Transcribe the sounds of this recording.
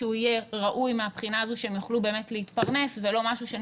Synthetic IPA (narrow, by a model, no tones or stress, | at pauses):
uijeʁaʔujmeapχinaːzuʃeemjuχlube̞ːmetleitpaʁne̞svelo̞maʃuʃe